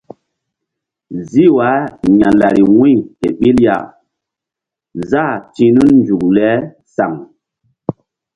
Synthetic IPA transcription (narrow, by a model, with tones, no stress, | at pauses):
zi˦wa˨˦ɲa˨la˨ɾi˨wũ˦jhḛ˨ɓi˦lja̰˨ | za˦˨tĩ˦nu˦nnd͡ʒu˨k̚lɛ˦ | sa̰˨ŋ